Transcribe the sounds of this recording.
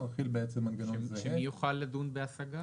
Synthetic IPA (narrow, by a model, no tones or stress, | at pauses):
aχilbeet͡semːanɡanonzeʃemeijuχalːad̪unbeasaɡa